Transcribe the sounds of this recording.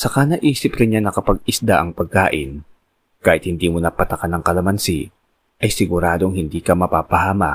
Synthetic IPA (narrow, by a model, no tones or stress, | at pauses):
sɐkanɐʔiːsɪpɾɪɲːanɐkɐpɐɡ̚ɪsd̪aʔɐŋpɐɡ̚kaːʔɪn | kaːhɪt̪̚hɪnd̪iːmʊnɐpɐt̪ɐkanɐŋkɐlɐmɐnsi | ʔɐjsɪɡʊɾaːd̪oŋhɪnd̪iːkɐmɐpaːpɐhaːmɐ̰